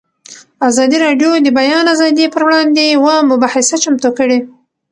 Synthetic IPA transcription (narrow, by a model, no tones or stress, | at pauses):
azɑd̪iɾɑɖjod̪əbajɑnazɑd̪ipəɾwɽɑnd̪ewamʊbɑhasat͡ʃamt̪okəɽe